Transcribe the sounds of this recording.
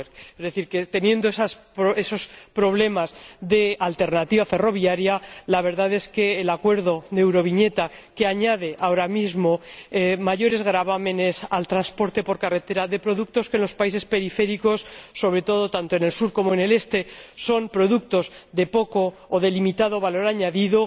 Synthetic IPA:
ezðe̞θiɾke̞t̪e̞nje̞nd̪oesaspoesospɾo̞βle̞mazðe̞alt̪e̞ɾnat̪iβafe̞ro̞βjaɾjalaβe̞ɾðaðe̞ske̞ːlakwe̞ɾðo̞ðeewɾo̞βiɲe̞t̪ake̞aɲað̞e̞ʔaoɾamizmo̞emaʝo̞ɾe̞zɣɾaβamẽ̞ne̞salt̪ɾanspo̞ɾt̪e̞po̞ɾkare̞t̪e̞ɾaðe̞pɾo̞ðuk̚t̪o̞skenlo̞spaise̞spe̞ɾife̞ɾikosːo̞β̞ɾe̞t̪o̞ðo̞t̪ant̪o̞ene̞lsuɾko̞moene̞le̞st̪e̞so̞mpɾo̞ðuk̚t̪o̞zðe̞po̞ko̞ː | ðe̞limit̪aðo̞βalo̞ɾaɲaðiðo

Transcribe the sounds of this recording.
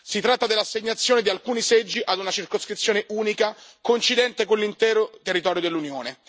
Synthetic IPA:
sit̪ɾat̪ːad̪elːasːeɲːat̪sːjoːned̪ialkuːnised͡ʒːiʔad̪unat͡ʃirkoskɾit̪sjoːneʔuːnikakoint͡ʃid̪ɛnt̪ekonlint̪ɛːɾot̪erːit̪ɔːɾjod̪elːunjoːne

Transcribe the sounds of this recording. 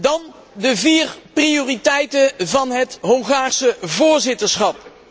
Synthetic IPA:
dɑn | dəviːrprioːritɛjtənvɑnɦətɦɔŋχaːɹsəvʊːɹzɪtəɹsχɑp̚

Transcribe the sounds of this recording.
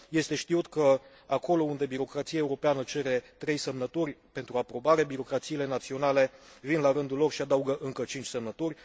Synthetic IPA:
je̞st̪e̞ʃt̪iut̪kə | ako̞lo̞und̪e̞biɾo̞kɾat̪sijae̞uɾo̞peanət͡ʃe̞ɾe̞t̪ɾe̞jsemnət̪urʲpe̞nt̪ɾuapɾo̞baɾe̞biɾo̞kɾat̪siːle̞nat̪sio̞nale̞vinlaɾɨnd̪ulo̞rʃiad̪auɡəʔɨŋkət͡ʃint͡ʃʲse̞mnət̪urʲ

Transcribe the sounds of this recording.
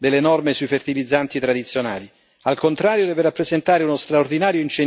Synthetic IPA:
d̪elːenɔrmesuifert̪ilid̪zːant̪it̪ɾad̪it̪sːjona̰ːli | alkont̪ɾaːɾjod̪ɛːveɾapːɾezent̪aːɾeunost̪ɾaord̪inaːɾjoint͡ʃe

